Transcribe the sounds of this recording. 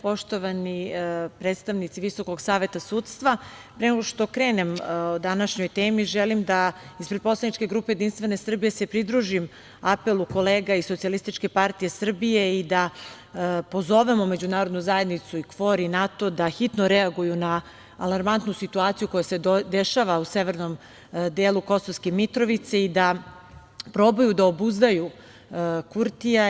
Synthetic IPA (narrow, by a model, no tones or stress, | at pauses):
po̞ʃt̪o̞ʋanipɾet̪st̪aʋnit̪siʋiso̞ko̞ɡsaːʋe̞t̪asuːt̪st̪ʋa | pɾeneɡoʃt̪o̞kɾeːne̞mod̪anaʃɲojt̪eːmiʒelimd̪aispɾed̪̚pslˠanit͡ʃke̞ɡɾuːpejed̪inst̪ʋe̞ne̞sr̩bije̞se̞pɾid̪ɾuʒim | ape̞lˠuko̞leːɡaiso̞t̪sialist̪it͡ʃke̞paɾt̪ije̞sr̩bijeid̪a | po̞zo̞ʋe̞mome̞d͡ʑunaːɾod̪nuzaje̞d̪nit̪suikʋo̞ɾinat̪o̞d̪axit̪noɾɛaɡujunaː | lˠaɾmant̪nusit̪uaːt̪sijuko̞jased̪eʃaʋauseʋe̞ɾnom | d̪eːlˠuko̞soʋskemit̪ɾo̞ʋit̪seid̪a | pɾo̞bojud̪aobuzd̪aju | kuɾt̪ija